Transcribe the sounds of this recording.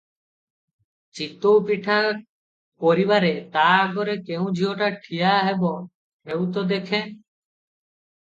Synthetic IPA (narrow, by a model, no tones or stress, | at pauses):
t͡ʃit̪opiʈʰa | poɾibaɾet̪aɡɔɾekeũd͡ʒʱioʈaʈʰijaɦebɔ | ɦewt̪ɔd̪ekʰe